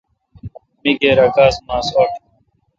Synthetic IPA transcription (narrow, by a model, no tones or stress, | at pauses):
miɡeːɾɐɡaːsmaːsoːʈʰ